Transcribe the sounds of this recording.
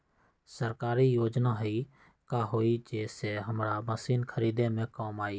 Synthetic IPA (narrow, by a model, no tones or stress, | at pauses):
səɾkaːɾijoːd͡ʒnaɦi | kaɦoːid͡ʒeːseɦəmɾaməsiːnkʰəɾiːd̪emẽkaːmaːi